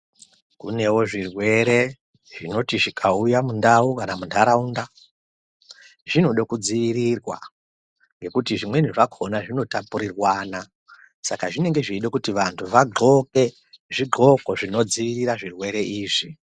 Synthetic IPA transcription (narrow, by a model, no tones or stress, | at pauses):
kṵne̞wo̞ʐirwe̞ɾe̞ | ʐ̥ino̞tiʐikʰaujamundaukanamundaɾaunda | ʐino̞ɗokud͡ziʋiɾirwa̰ | ŋɡe̞kutiʐimwe̞niʐakʰo̞naʐino̞tapuɾirwaːna | sakaʐine̞ŋɡe̞ʐiiɗokutiʋantʰuʋaɡo̞ke̞ | ʐiɡo̞ko̞ʐino̞d͡ziʋiriraʐirwe̞ɾe̞ʔiːʐi